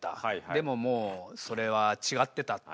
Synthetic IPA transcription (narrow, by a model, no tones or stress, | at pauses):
t̪a̰d̪e̞mo̞mo̞ːso̞ɾe̞βat͡ɕiɡat̪ːe̞t̪a